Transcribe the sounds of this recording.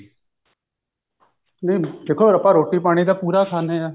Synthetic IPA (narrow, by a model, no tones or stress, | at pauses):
neid̪eːkʰoːɾəpaːɾoːʈiːpaːɽ̃iːd̪aːpuːɾaːkʰaːneːaː